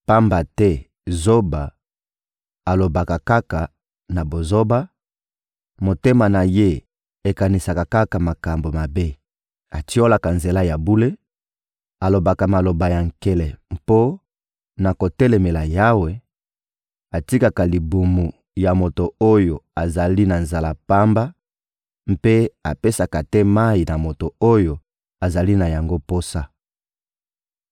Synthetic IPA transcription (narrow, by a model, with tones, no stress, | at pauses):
pa˦mba˨tɛ˦ | zo˦ba˨ | a˨lo˨ba˨ka˨ka˦ka˨ | na˨bo˨zo˦ba˦ | mo˨te˦ma˨na˨je˦ | e˨ka˨ni˨sa˨ka˨ka˦ka˨ma˨ka˨mbo˨ma˨be˦ | a˨ti˦o˦la˨ka˨nze˨la˦ja˨bu˦le˦ | a˨lo˨ba˨ka˨ma˨lo˨ba˨ja˨ŋ̩ke˦lɛ˨po˦ | na˨ko˨tɛ˦lɛ˨mɛ˨la˨ja˦we˨ | a˨ti˦ka˨ka˨li˨bu˨mu˨ | ja˨mo˨to˨o˦jo˨a˨za˨li˦na˨nza˨la˨pa˦mba˦ | m̩pe˦a˨pe˦sa˨ka˨tɛ˦ma˦i˨na˨mo˨to˨o˦jo˨ | a˨za˨li˦na˨ja˨ŋɡo˦po˦sa˦